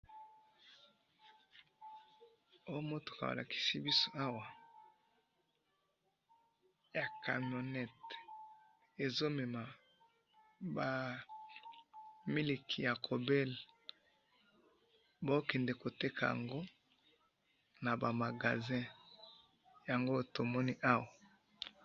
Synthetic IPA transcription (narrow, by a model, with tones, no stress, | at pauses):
o˦jo˦mo˦to̥˨ka˨a̰˨la̰˨ki̥˨si˦bi˦so˦a˦wa˨ | ja˨ka˨mjo˨nɛ˦t | e˨zo˦mɛ˨ma˨ | ba˨ | mi˦li˨kʰi˨ja˨kʰo˨bɛ˦l | bo˦kɛ˨ndɛ˨ko˨te˦kʰa˨ja̰˨ŋɡo˦ | na˨ba˨ma˨ɡa˨zɛ̃˦ | ja˨ŋɡo˦to˨mɔ˦ni˦ʔa˦wa˨